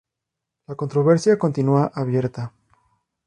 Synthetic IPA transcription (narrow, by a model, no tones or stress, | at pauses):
lako̞nt̪ɾoβe̞ɾsjako̞nt̪inuaʔaβje̞ɾt̪a